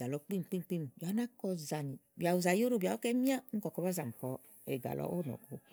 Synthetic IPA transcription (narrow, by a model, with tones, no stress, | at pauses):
ɡa˨lɔ˨˧˦k͡pi˦m˨k͡pi˦˧˨k͡pi˦˨m˨ja˨˦na˦kɔ˧za˨ni˨ | bi˨a˨u˨za˨jo˦ɾo˦ba˨˦o˦kɛ˦mi˦a˦n̩˦kɔ˨kɔ˧ba˦za˨m̩˨kɔ˨˦ | ḛ˨ɡa̰˨lɔ̰˦ʔo˦n˨ɔ̰˨ko˨˦